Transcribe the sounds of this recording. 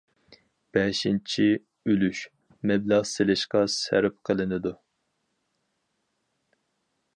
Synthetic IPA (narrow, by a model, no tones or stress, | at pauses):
b̥ɛʃint͡ʃʰi | ølyʃ | mɛblɑʁselɪʃqɑsæ̰ɾɪp̚qʰəlˠɨnɨd̪u